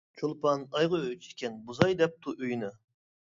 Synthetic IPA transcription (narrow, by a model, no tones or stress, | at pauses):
t͡ʃʰolˠpɑnɑjʁɑøt͡ʃʰi̥kʲʰɛnbuzɑjd̪ɛp̚t̪ʰuʔøjnɨ